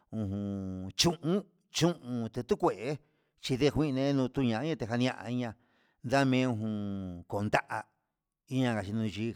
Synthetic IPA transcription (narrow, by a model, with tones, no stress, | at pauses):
ũ˧ɦũ˨t͡ʃũ˦ʔũ˦ | t͡ʃũ˦ʔũ˧t̪ɨ˧t̪u˦kʷe˨ʔe˦ | t͡ʃi˧ðe˦˧hʷĩ˦˧nẽ˧˦nũː˧t̪u˧ɲã˨˦ĩ˦ã˧t̪e˧ɦa˧nĩ˧ã˧ʔa̰˧i˦ɲã˧ | nd̪a˦mẽ˦˧ũ˧ɦũ˧ko˨nd̪a˦ʔa˧ | i˦ɲã˧ka˨t͡ʃi˧nũ˧t͡ʃi˧